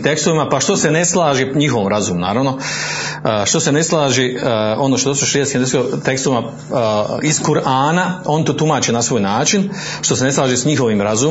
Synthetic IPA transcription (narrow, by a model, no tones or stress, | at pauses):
t̪ekst̪oʋimapaʃt̪o̞se̞ne̞slˠaːʒeɲixoʋomɾazuːmuna̰ːɾaʋno̞ | ʃt̪o̞se̞ne̞slˠaːʒeo̞noʃt̪od̪ost̪ʃeeskimd̪sot̪e̞kst̪oʋima | iskuɾaːnao̞nt̪oːt̪umaːt͡ʃenasʋo̞ːjnaːt͡ʃin | ʃt̪o̞se̞ne̞slˠaːʒesɲixo̞ʋiːmɾazu